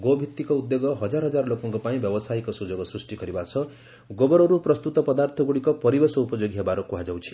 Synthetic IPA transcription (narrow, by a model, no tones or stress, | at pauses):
ɡobʱit̪ːikɔud̪joɡɔɦɔd͡ʒaɾɦʌd͡ʒaɾlokɔŋkɔpaĩbjɔbɔsajkɔsud͡ʒɔɡɔsɾusʈikɔɾibasʰʌ | ɡobɔɾɔɾupɾɔst̪ut̪ɔpɔd̪aɾt̪ʰɔɡuɽikɔpɔɾibesɔupɔd͡ʒoɡiɦebaɾɔkuɦad͡ʒawt͡ʃʰi̥